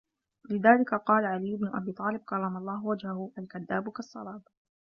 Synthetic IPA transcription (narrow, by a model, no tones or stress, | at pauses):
lɪðaːlɪkaqɑːlaʕalɪjːʊbnʊʔa̰biːt̪ˤɑːlɪb̚kɑrˤːɑmɑlˤːɑːhwad͡ʒhahʊʔalkaðːaːbkɑsˤːɑ̰lɑːb